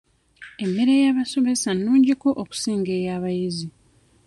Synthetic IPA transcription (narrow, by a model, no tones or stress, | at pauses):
e̞mːe̞ɾe̞jaːβaso̞me̞sanːuːɲɟiko̞ʔoku̥siːŋɡe̞ːjaːβajizi